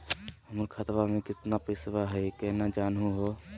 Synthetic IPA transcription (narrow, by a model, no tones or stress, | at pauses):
ɦəməɾkʰat̪bamẽkɪt̪napɾɪsbaɦɛikɛɦnad͡ʒaːnɦũɦoː